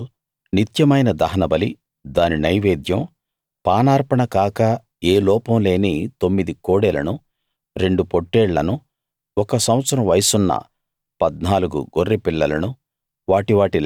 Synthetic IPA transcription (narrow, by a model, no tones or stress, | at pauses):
nit̪jɐmɐjnɐd̪ɐɦɐnɐbɐli | d̪aːninɐjʋeːd̪jɐm | paːnaːɾpɐɳɐkaːkɐ | eːlɔːpɐmle̞ːnit̪o̞mːid̪ikoːɽɛlɐ̰nu | ɾe̞ɳɖupoʈːɛːɭːɐ̰nu | ɔkɐsɐ̃w̃ɐt̪sɐɾɐʋɐjsunːɐ̰ | pɐd̪naːluɡṵɡorːepiɭːɐlɐnu | ʋaːʈiʋaːʈil